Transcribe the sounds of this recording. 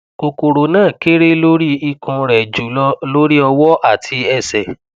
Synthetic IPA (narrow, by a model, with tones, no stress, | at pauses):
ko˧ko˨ɾo˨nãː˦˨ke˦ɾe˦lo˦ɾi˦i˧kɔ̃˧ɾɛ˨d͡ʒu˨lɔ˧lo˦ɾi˦ɔ˧wɔ˦ʔa˦˨tʰi˧ɛ˧˨sɛ˨